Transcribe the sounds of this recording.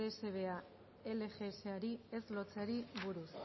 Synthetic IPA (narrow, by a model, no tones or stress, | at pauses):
ese̞β̞e̞a | e̞le̞xe̞ːseaɾie̞zlo̞t͡seaɾiβuɾus